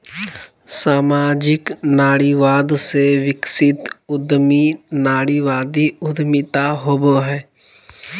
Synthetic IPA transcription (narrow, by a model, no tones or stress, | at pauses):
saːmaːd͡ʒɪknaːɽiʋaːd̪seʋɪksɪt̪ʊd̪minaːɽiʋaːd̪iʊd̪mɪt̪aɦoboɦɛː